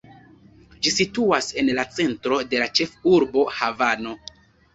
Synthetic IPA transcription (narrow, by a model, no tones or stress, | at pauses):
d͡ʒisituase̞nlat͡se̞ntɾo̞de̞lat͡ʃe̞fuɾbo̞havano̞